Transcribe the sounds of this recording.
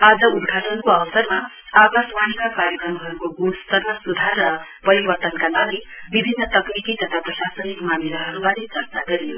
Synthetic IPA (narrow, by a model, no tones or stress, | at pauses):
ad͡zʌud̪kʰatʌnkoʌbʌsʌrma | abʌswañikakaɾjʌkrʌmɦʌɾukoɡust̪ʌrmasud̪ʱarːʌ | pʌɾibʌrt̪ʌnkalaɡi | bibʱinːʌt̪ʌkrikit̪ʌt̪ʰaprʌsasʌnikmamiɾʌɦʌɾubaɾit͡sʌrt͡saɡʌɾijo